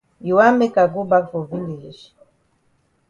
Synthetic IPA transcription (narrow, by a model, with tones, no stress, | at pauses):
ji˨wa˦me˦ka˨ɡu˦ba˦vo˨vi˦li˨ʒi˨